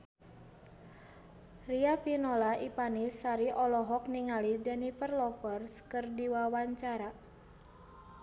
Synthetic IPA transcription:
riafinɔlaipanisaɾiʔɔlɔɦɔk̚niŋalid͡ʒɛnifərlɔfərskɨrdiwawaɲt͡ʃaɾa

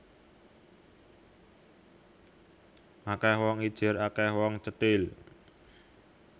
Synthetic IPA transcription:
ʔakɛhwɔŋid̥ʒ̥ɪ̤ɾakɛhwɔŋt͡ʃət̪ɪl

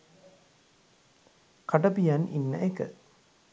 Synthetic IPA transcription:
kɐʈɐpijɐnʔḭnːɐ̰ʔekə̰

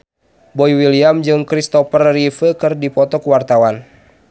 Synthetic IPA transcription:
bɔiwiliamd͡ʒɨŋkɾist̪ɔfərːifəkɨrdipɔt̪ɔkuwart̪awan

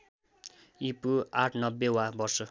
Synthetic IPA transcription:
ipuaʈʰnʌbːewabʌrsʌ

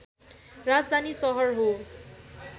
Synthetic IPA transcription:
rad͡zd̪ʱanisʌɦʌrɦo

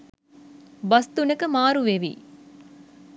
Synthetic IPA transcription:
bɐst̪unɐkəmaːɾuʋeʋḭː

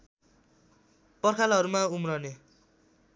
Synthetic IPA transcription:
pʌrkʰalɦʌɾumaumrʌne

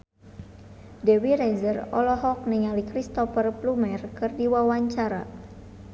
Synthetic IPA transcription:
dɛwiɾɛzərɔlɔɦɔk̚niŋalikɾist̪ɔfərplumɛrkɨrdiwawaɲt͡ʃaɾa̰

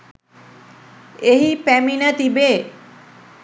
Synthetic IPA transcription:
eɦipæminət̪ibeː

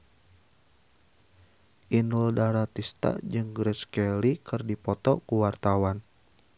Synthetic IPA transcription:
ʔinuldaɾat̪ist̪a̰d͡ʒɨŋɡɾɛskɛlikʰɨrdipɔt̪ɔkuwart̪awan

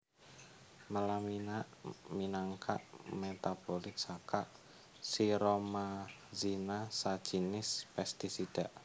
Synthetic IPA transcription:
məlaminaʔminaŋkʰa̰ʔmet̪apolɪt̪̚sakaʔ | siɾomazinasḁt͡ʃinɪspɛst̪isid̥aʔ

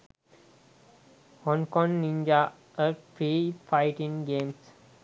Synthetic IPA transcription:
hɔ̃ŋkɔ̃ŋnĩnd͡ʒa | ətʰɾiːfaɪʈĩŋɡẽːms

